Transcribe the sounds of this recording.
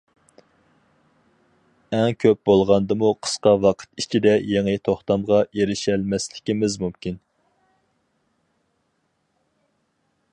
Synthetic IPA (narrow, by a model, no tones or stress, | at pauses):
ɛŋkʲʰøp̚bolˠʁɑnd̪ɨmuqʰə̥sqɑwɑqʰə̥t̪it͡ʃʰid̪ɛjeŋɨt̪ʰoχt̪ɑmʁɑjeɾɪʃælmɛslɪkʲimɪzmumkʲin